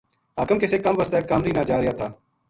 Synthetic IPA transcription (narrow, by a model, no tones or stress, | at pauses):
ɦaːkəmkɪsekːɐmʋəst̪aekkamɾiːnaːd͡ʒaːɾɪjaːt̪ʰaː